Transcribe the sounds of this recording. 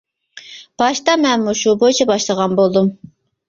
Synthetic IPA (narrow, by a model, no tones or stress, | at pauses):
b̥ɑʃt̪ɑmɛnmuʃubojt͡ʃʰɛbɑʃlˠəʁɑnbolˠd̪um